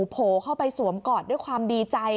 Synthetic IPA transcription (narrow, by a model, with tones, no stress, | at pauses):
pʰoː˨˧kʰa˥˩wpa˧jsu˩˦əmkɔː˨˩t̪̚du˥˩əjkʰwaː˧mdiː˧t͡ɕa˧j